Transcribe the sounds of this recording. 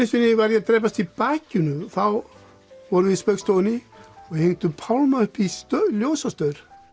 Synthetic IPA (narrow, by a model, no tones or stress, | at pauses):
ɪsvɪnːɪvaɾjat̪ɾɛːjp̬ast̪ipaːcɪnʏθaw | vɔɾvɪspœkst̪oːnɪɔheŋt̪ʏpʰawlmaʏhpist̪ljowsast̪œɾ̥